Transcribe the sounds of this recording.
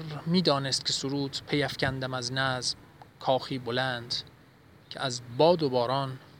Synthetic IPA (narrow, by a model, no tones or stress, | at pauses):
ɾmiːd̪ɒːnest̪̚cʰʲe̞soɾuːt̪pʰe̞jæfcʰʲænd̪æmæznæzm | kʰɒːxiːbolænd̪̥ | cʲʰḛʔæzbɒːd̪obɒːɾɒːn